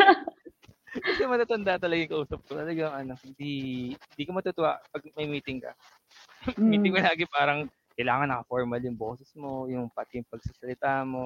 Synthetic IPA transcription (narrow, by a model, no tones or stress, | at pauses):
kɐsɛmɐt̪aːt̪ɐnd̪aʔt̪ɐlɐɡajʊŋkɐʔuːsɐp̚kot̪ɐlɐɡaŋʔɐno̞hɪnd̪ihɪnd̪iːkomɐt̪ut̪ʊwapɐɡ̚mɐjmiːt̪ɪŋkɐ̰ | miːt̪ɪŋkolaːɡɪpaːɾɐŋ | kɐjlaːŋɐnːɐkɐfoɹmɐljʊŋbo̞ːsɛsmo̞jʊŋpɐt̪ɪŋpɐɡ̚sasɐlɪt̪aːmo̞